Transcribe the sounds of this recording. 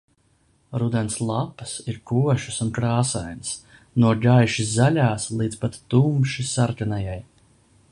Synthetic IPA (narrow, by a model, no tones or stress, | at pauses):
ɾud̪ɛnslˠapɐ̥siɾkuɔʃu̥sunkɾaːsajns | nuɔɡajʃiszalʲaːslˠiːt̪spat̪ːumʃisaɾkanajaj